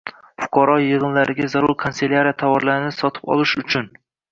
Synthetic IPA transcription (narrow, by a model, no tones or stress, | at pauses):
fʊ̥qʰɑɾɒjɨʁɨnlaɾɪɡʲazaɾʊɾkʰanselʲaɾiat̪ʰavɒɾlaɾɪnɪsɒt̪ʰɪ̥pɒ̰lˠɪʃʊt͡ʃʰʊn